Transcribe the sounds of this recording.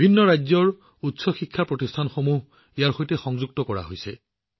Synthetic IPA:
bʱinːɔɹajzɔɹ | utsɔxikʰːapɹotistʰanxomuɦ | ejaɹxojtɛxɔŋzuɡ̚tɔkɔɹa̰ɦojsɛ̰

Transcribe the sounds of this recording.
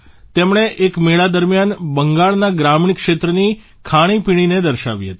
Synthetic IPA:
t̪emɳ̃eʔekmeɭad̪əɾmjanbəŋɡaɭnaɡɾamɳikʃet̪ɾəni | kʰaɽ̃ipiɽ̃ined̪əɾʃa̰ʋiɦət̪i̥

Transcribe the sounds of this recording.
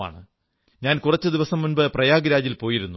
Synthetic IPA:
a̰ːɳɨ | ɲaːnkurɐt͡ɕːɨd̪iʋɐsɐmːunbɐprɐjaːɡɾaːd͡ʑilpo̞ːjiɾunːu

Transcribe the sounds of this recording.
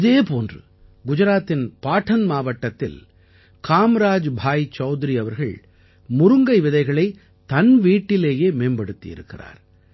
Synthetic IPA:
ɪðeːpoːndrɯ̰ | ɡʊd͡ʒɐɾaːt̪ːɪnpaːʈʰːɐnmaːʋɐʈːɐt̪ːɪ̰l | kʰaːmɾaːd͡ʒbʱaːjt͡ʃːɐʊðɪɾiɐʋɐɾɣɐɭ | mʊɾɯŋɡɐɪʋɪðɐɪɣɐɭɐɪ | t̪ɐnʋiːʈːɪleːjeːmeːnbɐɽɯt̪ːḭjɪ̰ɾɯkːɪra̰ːɾ

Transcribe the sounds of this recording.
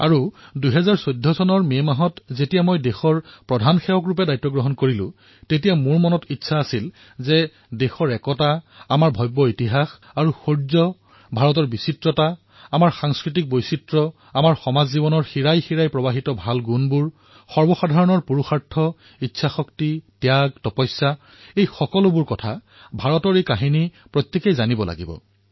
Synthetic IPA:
a̰ɹuduɦɛzaɹsojdʱːɔsɔnɔɹmemaɦɔtzetijamojdexɔɹpɹɔdʱanxɛwɔk̬ɹup̬ɛdajtːɔɡɹɔɦɔnkoɹilʊ̰̃ | tetijamuɹmɔnɔtitːsʰaːsil | zɛ | dexɔɹɛkɔta | amaɹbʱɔjbːɔitiɦax | aɹuxoɹzɔ | bʱaɹɔtɔɹbisitɹɔta | amaɹxaŋskɹit̬ik̚bojsitɹɔ | amaɹxɔmazːibɔnɔɹxiɹajxiɹajpɹɔbaɦitɔbʱalɡunbuɹ | xɔɹbɔxadʱaɹɔnɔɹpuɹuxaɹtʰːɔ | itːsʰaxɔktitjaɡ̚tɔpɔjsːa | ejxɔkɔlʊbuɹkɔtʰa | bʱaɹɔtɔɹejkaɦini | pɹɔtːekejzanibɔlʔa̰ɡibɔ̰

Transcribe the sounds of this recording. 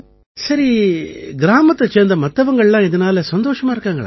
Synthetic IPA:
sɐɾiɡɾaːmɐt̪ːɐt͡ʃeːnd̪ɐmɐt̪ːɐʋɐŋɡɐɭɐlːaid̪ɐnaːlesʋɐnd̪oːʂɐmaːɾkaːŋɡɐɭɐ̰

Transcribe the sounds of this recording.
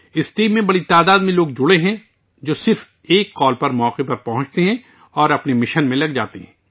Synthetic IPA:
ɪsʈiːmːẽbɐɽit̪aːd̪aːd̪mẽloːɡ̚d͡ʒʊɽeɦɛ̃ | d͡ʒoːsɪɾf | eːkːɔːlpɐɾmɔːqepɐɾpɐɦʊ̃t͡ʃt̪eɦɛ̃ | ɔːɾɐpnemɪʃənmẽlɐɡd͡ʒa̰ːt̪eɦɛ̃ː

